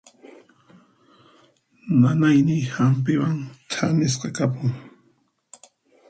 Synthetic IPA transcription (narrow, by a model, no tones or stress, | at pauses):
nanajnɪhamp̬ɪwaŋt̪ʰanɪs̬qɑkapʊŋ